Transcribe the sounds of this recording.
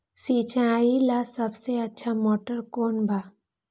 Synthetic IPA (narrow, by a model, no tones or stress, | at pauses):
siːt͡ʃãaːilasɐbseɐtːʃʰamoːʈəɾkoːnbʱaː